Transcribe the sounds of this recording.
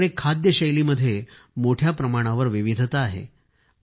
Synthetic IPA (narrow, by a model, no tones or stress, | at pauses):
ɽekʰad̪jəɕəjliməd̪ʱːje | moʈʰjapɾəmaɽ̃aʋəɾʋiʋid̪ʱt̪aːɦḛ